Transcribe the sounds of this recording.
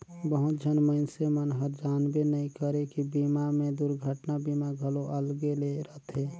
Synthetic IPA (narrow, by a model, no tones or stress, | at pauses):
bəɦut̪̚d͡ʒʱənməɪnsemənɦəɾd͡ʒanbenəĩkəɾekibimamẽd̪uɾɡʱəʈnabimaɡʱəloʔəlɡeleɾət̪ɦe